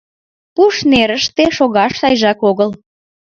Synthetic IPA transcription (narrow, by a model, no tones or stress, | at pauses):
puʃneɾəʃt̪eʃoɣɑʃɑjʒɑkoɣəl